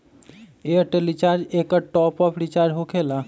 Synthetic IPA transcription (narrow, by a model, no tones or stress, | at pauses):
eəʈelit͡ʃaːɾd͡ʒeːkəʈɔːpɔːpʰɾit͡ʃaːɾd͡ʒɦokʰeːla